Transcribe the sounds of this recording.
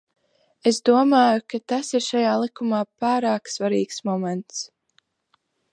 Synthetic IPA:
esd̪uɔmaːjukat̪asiɾʃajaːlˠikumaːpaːɾaːksvaɾiːksmɔmɛnt̪s

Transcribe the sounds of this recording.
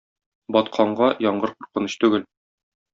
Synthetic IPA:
bɒt̪qʰɑɴɢɑjɒɴɢɤɾquɾqɤ̆nɤ̆ɕt̪ʉɡɘl

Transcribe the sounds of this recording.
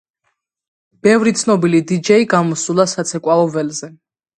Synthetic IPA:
b̥ɛvɾit̪sʰnɔbilid̪id͡ʒɛiɡamɔsulˠasat̪sʰɛkʼwaɔvɛlzɛ

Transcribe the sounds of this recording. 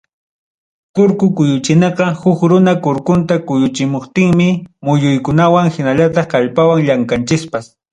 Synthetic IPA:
kʊɾkʊkʊjʊt͡ʃɪnɑqɑhʊkɾʊnakʊɾkʊnt̪akʊjʊt͡ʃɪmoχt̪ɪŋmɪmʊjʊjkʊnawaŋxɪnaʎat̪ɑχkaʎpawaŋʎaŋkant͡ʃɪspas

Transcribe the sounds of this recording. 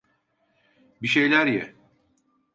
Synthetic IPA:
biʃe̞jlʲæɾjɛ̰

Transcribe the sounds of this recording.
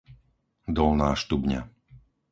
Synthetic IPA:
d̪ɔlnaːʃt̪ubɲa̰

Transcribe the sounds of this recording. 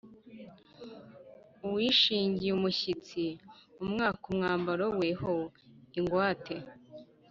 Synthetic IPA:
uwiːʃiːɲɟijumuçit͡siumŋaːkumŋaːmbaɾowehoiŋɡwaːtʰe̞

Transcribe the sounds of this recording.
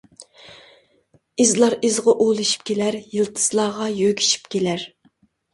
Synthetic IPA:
ɪzlˠɑɾɪzʁɑʔolˠɨʃi̥p̚kʲʰelæɾjɨlˠt̪ʰɨ̥z̥lˠɑːʁɑjøɡʲi̥ʃi̥pkʲʰelæɾ

